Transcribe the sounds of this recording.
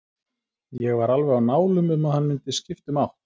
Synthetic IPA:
jɛɣvaɾalvɛɾawnaːwlʏmʏmaðhanːmɪnt̪ɪscɪft̪ʏmawht̪

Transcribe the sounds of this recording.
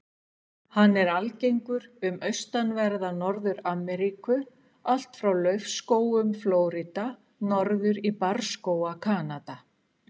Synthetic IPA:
hanːɛɾalcejŋkʏɾʏmʔœɥst̪anvɛɾðanɔɾðʏɾamɛɾikʏ | al̥t̪fɾawlœɥfskoːwʏmfloːwɾit̪a | nɔɾðʏɾipaɾ̥skoːwakʰaːnat̪a

